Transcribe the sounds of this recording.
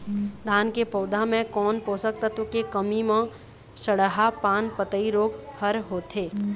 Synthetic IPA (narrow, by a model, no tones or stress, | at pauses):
d̪ʱaːnkepɔːd̪ʱamẽkɔːnpoːsək̚t̪at̪okekəmimẽ | səɽəɦapaːnpət̪əiɾoːɡhəɾɦoːt̪eː